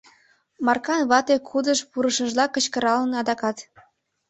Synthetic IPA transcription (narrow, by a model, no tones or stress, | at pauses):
mɑrkɑnβɑt̪ekʰud̪əʃpuɾəʃəʒlɑkə̆t͡ɕkə̆ɾɑlənɑd̪ɑkɑt̪